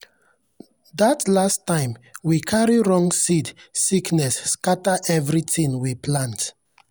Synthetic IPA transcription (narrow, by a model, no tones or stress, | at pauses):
datlastːãɪ̃mwikʰaɹiɹɔ̃ŋsidsiknɛsːkataʔɛvɹitĩŋwiplãnt